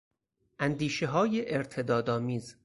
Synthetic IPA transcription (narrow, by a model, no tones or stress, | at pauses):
ʔænd̪iːʃeɦɒːjeʔeɾt̪ʰe̞d̪ɒːd̪ɒːmiːz